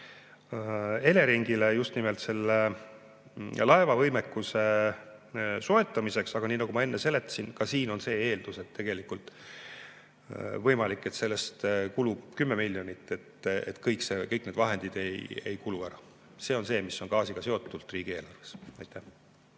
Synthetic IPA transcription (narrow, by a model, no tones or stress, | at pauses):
e̞le̞ɾiŋɡ̥ile̞just̪nimelt̪se̞lːe | lɑe̞vɑvɤjmekːˑuse̞ | so̞e̞t̪ːˑɑmise̞ksɑɡ̥ɑniːnɑɡ̥umɑe̞nːese̞le̞t̪ːˑɑ̥sinkɑsiːno̞nse̞ːeːld̪use̞t̪ːe̞ɡ̥e̞likult̪ˑ | vɤjmɑlikːˑe̞t̪se̞lːe̞st̪kulub̥kymːe̞miljo̞nit̪ːˑe̞t̪et̪kɤjkse̞kɤjkne̞d̪̥vɑɦe̞nd̪̥id̪̥e̞jejkuluæɾɑ | se̞ːo̞nse̞ːmiso̞nɡɑːsiɡ̥ɑse̞o̞t̪ːˑult̪ˑriːɡ̥ie̞ːlɑrvesɑjt̪ːˑæh